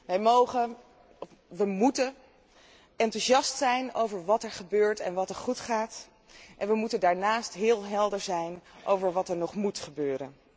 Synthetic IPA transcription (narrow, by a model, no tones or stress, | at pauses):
ʋɛjmowχə | ʋəmutə | ɛntuʒɑstsɛjnowvəɹʋɑtɛɹχəbøːɹtɛ̰nʋɑtɛɹχutχaːt | ʔɛnʋəmutəndaːɹnaːstɦɪːlˠɦɛlˠdəɹzɛjnʔowvəɹʋɑtɛɹnɔχmutχəbøːɾə̰n